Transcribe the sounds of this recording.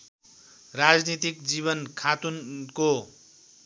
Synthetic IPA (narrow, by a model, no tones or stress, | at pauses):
rad͡znit̪ikd͡ziβʌnkʰat̪unko